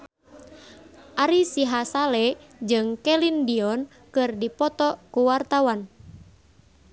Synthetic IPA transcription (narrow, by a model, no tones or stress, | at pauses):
ʔaɾisiɦasalɛ | d͡ʒɨŋkɛlindiɔn | kɨrdipɔt̪ɔkuwart̪awan